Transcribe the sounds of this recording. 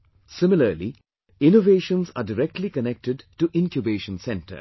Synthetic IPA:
sɪmɪləɾli | ɪ̃noʋeːʃə̃nzaːɖɪɾɛk̚ʈʰlikənɛk̚ʈɪɖʈuʔɪ̃nkjubeːʃə̃nsɛ̃nʈə̰ɾ

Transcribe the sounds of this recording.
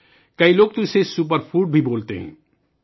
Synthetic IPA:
kɐiloːɡ̚t̪usesup̬əɾpʰuːʈ̚bʱiboːlt̪ḛɦɛ̰̃ː

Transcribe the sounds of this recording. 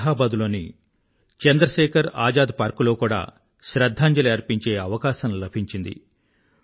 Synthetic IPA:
ɦaːbaːd̪ulo̞ːnḭ | t͡ʃɐnd̪ɾɐʃɛːkʰɐɾaːd͡ʒaːd̪̚paːɾkulo̞ːkuːɽa̰ː | ʃɾɐd̪ʱːaːɲd͡ʒɐlɐɐɾpiɲt͡ʃe̞ːɐʋɐkaːʃɐmlɐbʱiɲt͡ʃind̪ḭ

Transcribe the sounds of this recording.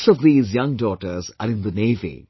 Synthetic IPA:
sɔvðiːzjʌ̃ŋɖɔːʈəɾzə̰ɾɪ̃nd̪əneɪvḭ

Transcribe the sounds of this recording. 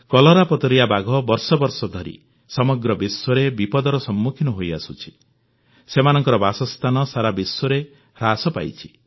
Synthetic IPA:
kɔlɔɾapɔt̪ɔɾijabaɡʱɔbɔɾsɔbɔɾsɔd̪ʱɔɾḭ | sɔmɔɡɾɔbiswɔɾebipɔd̪ɔɾɔsɔmːukʰinɔɦoja̰sut͡ʃʰi̥ | semanɔŋkɔɾɔbasɔst̪ʰanɔsaɾabiswɔɾe | ɾasɔpa̰jt͡ʃʰi̥

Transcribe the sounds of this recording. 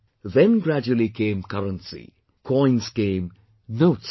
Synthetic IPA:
ʋɛ̃nɡɾæd͡ʒuəlikʰẽːmkɐɾə̃nsḭ | kʰɔj̃nsɡẽːm | noːʈs

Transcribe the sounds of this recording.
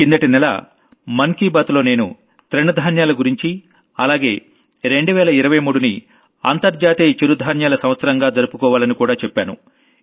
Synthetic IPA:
kind̪ɐʈinɛlɐ̰ | mɐŋkiːbaːt̪lo̞ːne̞ːnu | t̪ɾeɳud̪ʱaːnjaːlɐɡuɾiɲt͡ʃi | ɐlaːɡe̞ː | ɾe̞ɳɖuʋɛːlɐiɾɐʋɐjmuːɽuni | ɐ̰nt̪ɐɾd͡ʒaːt̪iit͡ʃːiɾud̪ʱaːnjaːlɐsɐmʋɐt̪sɐɾɐŋɡaːd͡ʒɐɾupukɔːʋaːlɐnikuːɽaːt͡ʃɛpːaːnṵ

